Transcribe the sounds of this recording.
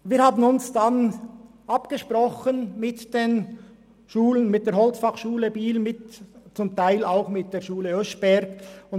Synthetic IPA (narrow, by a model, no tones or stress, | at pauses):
viːɾhaːbənʊnsd̥an | ʔɑpɡ̥əʃprɔχənmɪtd̥eːn | ʃuːlənmɪt̚d̥eːɦɔlt͡sfɑχʃuːləbiːlmɪtt͡sʊmtʰaɪlaʊxmɪt̚d̥eːɹʃuːləœʃb̥ɛɾɡʊn